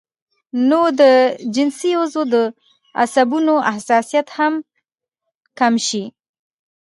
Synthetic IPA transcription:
nod̪əd͡ʒɪnsiozod̪ə | a̰sabunoahsɑsijat̪ham | kamʃi

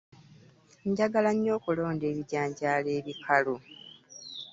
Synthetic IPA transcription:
ɲɟaɡalaɲːo̞ːkulo̞ːnde̞ːβiɟaːɲɟaːle̞ːβikʰalo

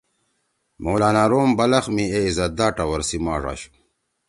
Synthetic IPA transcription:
moːlaːnaːɾoːmbɐlɐxmieizɐd̪aːʈɐwɐɾsimaːʐa̰ɕu̥

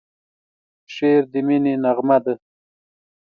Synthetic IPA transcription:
ʃeːɾd̪imininaʁmad̪ə

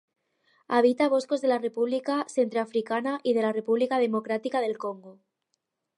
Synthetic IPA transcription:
aβ̞it̪aβ̞o̞sko̞zðe̞lare̞puβlikase̞nt̪ɾoafɾikanaʔið̞e̞lare̞puβlikað̞e̞mo̞kɾat̪ikaðe̞lko̞ŋɡo

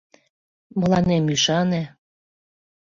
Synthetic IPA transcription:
məlɑnemyʃɑne

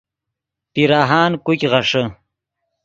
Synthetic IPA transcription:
piɾaːɦaːnkukʲʁaʂə

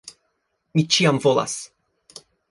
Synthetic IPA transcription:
mʲit͡ɕijamvɔla̰s

